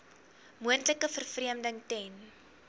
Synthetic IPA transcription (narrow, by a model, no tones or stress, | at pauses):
muəntləkəfərfriəmdəŋtɛn